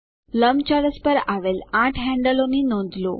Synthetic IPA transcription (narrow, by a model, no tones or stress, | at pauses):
ləmt͡ɕaɽəspəɾaʋelaʈʰɦɛ̃ɳɖəlomiːnõnd̪lo̰